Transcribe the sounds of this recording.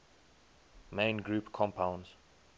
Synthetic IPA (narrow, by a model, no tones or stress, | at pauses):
mẽɪ̃nɡɹuːpkʰɔ̃mpʰãʊ̃nz̥